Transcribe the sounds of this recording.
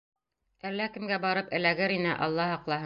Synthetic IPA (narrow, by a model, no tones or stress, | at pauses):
ælːækɘ̆mɡæbɑɾɤpɘ̆læɡɘɾinɘʔɑ̰lˠːɑhɑqlˠɑhɤ